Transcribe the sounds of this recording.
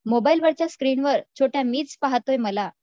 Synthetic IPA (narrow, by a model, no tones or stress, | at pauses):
mobailʋəɾt͡ɕjaskɾiːɳʋəɾt͡ɕʰoʈjamiːt͡spaɦt̪ojməla